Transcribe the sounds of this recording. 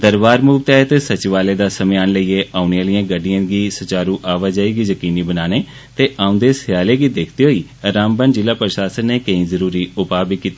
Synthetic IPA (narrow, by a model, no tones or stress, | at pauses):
d̪əɾbaːɾmuːbt̪aːet̪eːsət͡ʃʋaːleːd̪aːsəmeaːnləiːeːʔaːʊnejãːlɪjãːɡəɖɪjãːɡiːsət͡ʃaːɾũːʔaːʋaːd͡ʒaːiːɡiːzəkiːniːbənaːneː | t̪eːʔãːʊ̃nd̪eːsɪjaːleːɡiːd̪eːkʰd̪eːɦoːiːəɾaːmbənd͡ʒɪlaːpɾəʃaːsənːeːkəĩːzəɾuːɾiːʊpaːbikːiːt̪iː